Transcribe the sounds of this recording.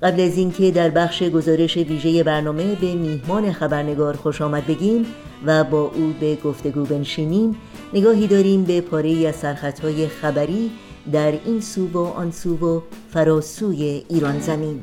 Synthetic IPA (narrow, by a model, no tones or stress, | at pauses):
ɢæblæziːncʰe̞d̪æɾbæχʃe̞ɡo̞zɒːɾe̞ʃe̞viːʒe̞je̞bæɾnɒːme̞be̞miːhmɒːne̞xæbæɾne̞ɡɒːɾxoʃɒːmæd̪̚be̞ɟiːm | væbɒːʔuːbe̞ɡoft̪e̞ɡuːbe̞nʃiːniːm | ne̞ɡɒːɦiːd̪ɒːɾiːmbe̞pʰɒːɾe̞iːæz̥sæɾxæt̪ʰhɒːje̞xæbæɾiː | d̪æɾiːnsuːvoʔɒ̰nsuːvofæɾɒːsuːje̞iːɾɒːnzæmiːn